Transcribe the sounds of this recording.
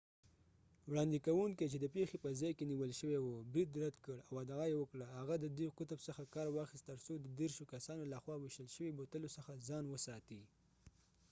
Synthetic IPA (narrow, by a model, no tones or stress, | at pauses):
wɽɑnd̪ikawuŋket͡ʃed̪əpexepəzɑjkeniwəlʃəwewobɾid̪ɾad̪kəɽawad̪ɑjewəkɽaɦaɣad̪əd̪ujqʊt̪əbsəxakɑɾwɑxɪst̪əɾsod̪əd̪eɾʃokasɑnolaxwɑwɪʃəlʃəwibot̪əlosəxazɑnwəsɑt̪i